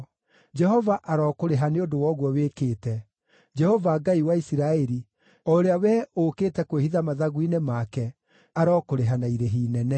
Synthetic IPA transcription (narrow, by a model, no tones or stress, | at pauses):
d͡ʒɛɦɔvaʔaɾɔkoɾeɦaneodowɔːɣwɔweːkeːtɛ | d͡ʒɛhɔvaɡaiwaisiɾaɛɾi | ɔoɾeawɛokeːtɛkwehiðamaðaɣuinemakɛ | aɾɔkoɾeɦanaiɾeɦiːnɛnɛ